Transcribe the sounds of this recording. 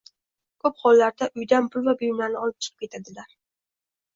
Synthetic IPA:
kʰɵpχɒlˠːaɾd̪aʔʊjd̪anpʰʊlˠvabʊjmlaɾnɪɒlˠɪp̚t͡ʃʰɨ̥qʰɨp̚kʲe̞t̪ʰad̪ɪlaɾ

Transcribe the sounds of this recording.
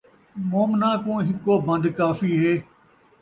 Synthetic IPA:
moːmnãːkõːɦɪkːoːbə̃nd̪kaːfiːɦeː

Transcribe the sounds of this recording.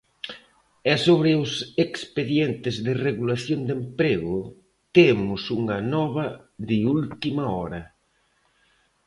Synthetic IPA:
ɛsoβɾɪʊsekspeðjent̪ɪzðɪreɣulaθjond̪empɾeɣʊ | t̪emʊsuŋɐnɔβɐðɪult̪imɐɔɾɐ

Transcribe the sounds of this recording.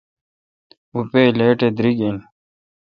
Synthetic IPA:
upeleːʈed̪ɾiɡin

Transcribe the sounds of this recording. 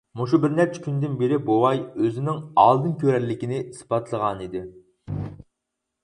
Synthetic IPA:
muʃ̬ubɪɾnɛp̚t͡ʃʰɛ̥kʲʰynd̪ɪnbeɾɪbowɑjøzɪnɪŋɑ̰lˠd̪ɨnkʲʰøɾɛlːɪkʲinɪispɑt̪ʰlˠəʁɑnid̪ɪ

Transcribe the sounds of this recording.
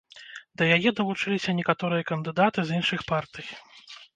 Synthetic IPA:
d̪ɐjajɛd̪ɐvˠut͡ʂɨlʲisʲɐnʲɛkat̪ɔɾɨjɐkɐnd̪ɨd̪at̪ɨzinʂɨxpart̪ɨj

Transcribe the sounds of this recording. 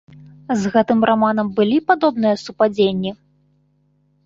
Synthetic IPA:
zɣɛt̪ɨmrʔamanɐmbɨlʲipad̪ɔbn̪ɨjɐsupad͡zʲenʲːi

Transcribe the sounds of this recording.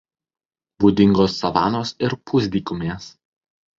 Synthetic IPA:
buːd̪ʲɪŋɡoːsːɐʋɑ̰ːnoːsɪɾpʰʊzʲd̪ʲiːkʊmʲeːs

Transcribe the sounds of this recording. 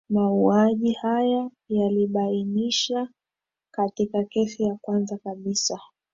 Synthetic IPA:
mauaʄihaja | jaliɓainiʃa | katikakɛsijakwanzakaɓisa

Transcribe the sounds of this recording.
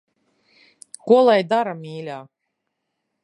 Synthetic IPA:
kuɔlˠajd̪aɾamiːlʲaː

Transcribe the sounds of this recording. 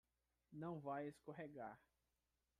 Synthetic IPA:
nɐ̃w̃vajeskoɦeɡa̰ɾ

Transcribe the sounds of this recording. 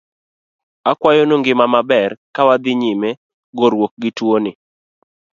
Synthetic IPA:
akwajonoŋɡɪmamabɛrkawad̪ɪɲime | ɡoɾwok̚ɡɪtwonɪ

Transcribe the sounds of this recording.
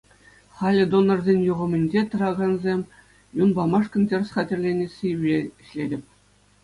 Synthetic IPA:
χɑlʲɘ̆d̪onɤ̆rzʲenʲjuʁɤ̆mʲɘ̆nʲd͡ʑet̪ɤ̆ɾɑɡɑnzʲemʲ | junbɑmɑʂkɤ̆ntʲerʲsχɑtʲĕrʲlʲenʲesʲiyeɕlʲedʲɘ̆pʲ

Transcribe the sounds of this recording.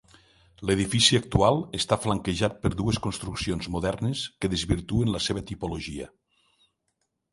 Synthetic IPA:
leð̞ifisiək̚t̪ualˠest̪afləŋkeʒat̪̚pəɾðueskonst̪ɾuksionzmuðɛɾneskəðezβiɾt̪uenləseβət̪ipuloʒiə̰

